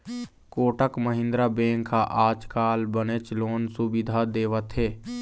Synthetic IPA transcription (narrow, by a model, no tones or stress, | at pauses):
koːʈəkməɦɪ̃nd̪ɾabẽːŋkʰaʔaːd͡ʒkaːlbənet͡ʃloːnsʊbɪd̪ʱad̪eːʋət̪ɦeː